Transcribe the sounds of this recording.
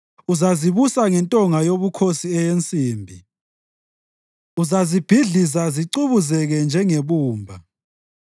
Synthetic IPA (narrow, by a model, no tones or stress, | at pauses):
uzaziβusaŋɛntʼɔŋajoβukʰosiɛjent͡sʼiːmbʱi | uzazib̥ʱiɮisaziǀuβuzɛɣɛnd͡ʒʱɛŋeβuːmbʱa